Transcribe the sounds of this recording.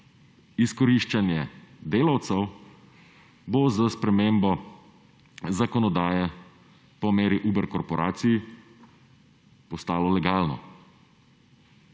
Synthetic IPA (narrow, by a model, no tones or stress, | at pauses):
iskɔɾiʃt͡ʃanjɛd̪eːlawt̪sɛw | bozəspɾɛmeːmbɔ | zakɔnɔd̪aːjɛ | pɔmeːɾiʔuːbɛɾkɔɾpɔɾʔaːt̪siji | pɔst̪aːlɔlɛɡaːlnɔ̰